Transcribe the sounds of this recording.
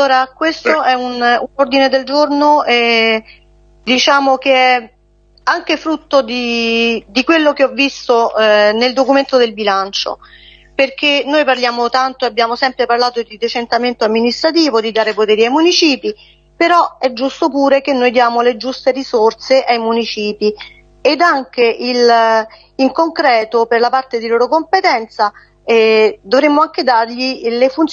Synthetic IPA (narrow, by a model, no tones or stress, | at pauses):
aloːɾakwest̪oɛununord̪ined̪eld͡ʒornoɛ | d̪it͡ʃaːmok̟eɛ | aŋk̟efɾut̪ːod̪id̪ikwelːok̟eɔvːist̪oneld̪okument̪od̪elbilant͡ʃo̰ | perk̟enːojparljaːmot̪ant̪oabjaːmosɛmpɾeparlaːt̪od̪id̪et͡ʃent̪ament̪oamːinist̪ɾat̪iːvod̪id̪aːɾepot̪ɛːɾiajmunit͡ʃiːpi | peɾɔɛd͡ʒːust̪opuːɾek̟enːojd̪jaːmoled͡ʒust̪erisort̪seʔajmunit͡ʃiːpi | ed̪aŋk̟eʔil | iŋkoŋkɾɛːt̪operlapart̪ed̪iloːɾokompet̪ɛnt̪sa | d̪ovɾemːoaŋk̟ed̪arʎilefunt̪